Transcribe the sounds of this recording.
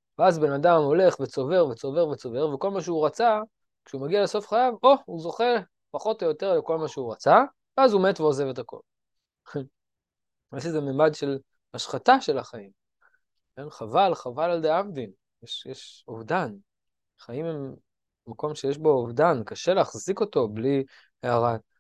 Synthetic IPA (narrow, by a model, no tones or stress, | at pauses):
veazbe̞nadamo̞le̞χvet͡so̞ve̞ʁvet͡so̞ve̞ʁvet͡so̞ve̞ʁveko̞lmaʃ̬euʁat͡sa | kʃeumaɡialeso̞fχajavo̞uzo̞χe̞ | paχo̞t̪ojot̪e̞ʁleko̞lmaʃeuʁat͡sa | veazumetveoze̞vet̪ako̞̰l | aʃezememadʃe̞l | haʃχataʃe̞laχaim | enχavalχavalald̪eavd̪in | jeʃjeʃovdan | χaimemː | ako̞mʃejeʃbo̞ovdankaʃe̞leːχziko̞to̞bli | eaʁat